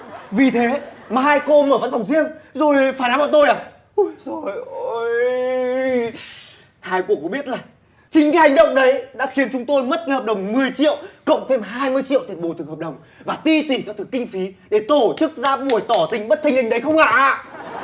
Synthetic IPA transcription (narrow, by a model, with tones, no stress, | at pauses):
vi˨˩t̪ʰe˨˦maː˨˩ɦaː˧jko˧məː˧˩və̰˧˥nfa˨˩wŋ͡mzi˧əŋzo˨˩jfaː˧˩jnaː˨˦ɓaː˧˩t̪o˧jɗaː˨˩ | ʔo˨˧˦jzo˨˩j | haː˧jku˨˩əkːɓi˦˥ət̚laː˨˩ | t͡ɕï˧ŋ̟kaː˨˦jha˨˩ŋ̟ɗə̰˧˨wŋ͡mɗə˨˦jɗa̰ː˧˥xi˨ənt͡ɕʊ˨˦ŋ͡mt̪o˧jmə˦˥t̚ka˨˦jhəː˨˩p̚ɗə˨˩wŋ͡mmɨ˨˩əjt͡ɕḭ˧˨əwkə̰˧˨wŋ͡mt̪ʰe˧mɦaː˧jmɨ˧jt͡ɕḭ˧˨t̪i˨˧˩nɓo˨˧˩t̪ʰɨ˨˩ŋhːp̚ɗə˨˩wŋ͡m | vaː˨˩t̪i˧t̪i˨˩kaː˨˦˥t̪ɨ˨˩kːï˧ŋ̟fi˨˦ɗe˧˩t̪o˧˩t͡ɕɨ˦˥k̚zaː˧ɓu˧˩əjt̪ɔ˧˩t̪ï˧˨˩ŋ̟ɓə˦˥t̚t̪ʰa˧ŋhï˨˩ŋ̟ɗə˨˦jxə˧wŋ͡mha̰ː˧˨ʔ